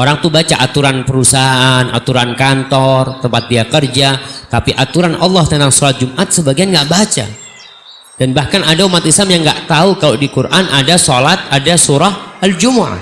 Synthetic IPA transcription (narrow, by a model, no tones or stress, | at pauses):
ʔoɾaŋt̪ubat͡ʃaʔat̪uɾanpəɾusaɦaanʔa̰t̪uɾankant̪ɔrt̪əmpat̪̚diakərd͡ʒat̪apiʔat̪uɾanʔɑlːɔht̪ənt̪aŋsolat̪̚d͡ʒumʔat̪səbaɡianɡaʔbat͡ʃa̰ | d̥anbahkanadaumːat̪islamjaŋɡaʔt̪aukalodikuɾʔanʔadasolat̪̚adasuɾahald͡ʒumuʕa̰